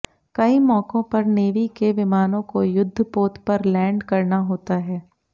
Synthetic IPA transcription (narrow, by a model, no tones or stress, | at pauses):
kɐimɔːkõpɐɾneːʋikeʋɪmaːnõkojʊd̪ʱːəpoːt̪pɐɾlɛ̃ːɳɖkɐɾnaɦoːt̪aɦɛː